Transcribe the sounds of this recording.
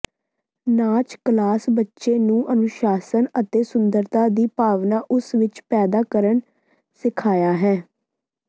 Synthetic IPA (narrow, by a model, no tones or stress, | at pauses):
naːt͡ʃklaːsbətːʃeːnũːʔənʊʃaːsənət̪eːsʊnd̪əɾt̪ãːd̪iːpaːʋnaːʔʊsʋɪt͡ʃpɛːd̪aːkəɾən | sɪkʰaːjaːɦɛː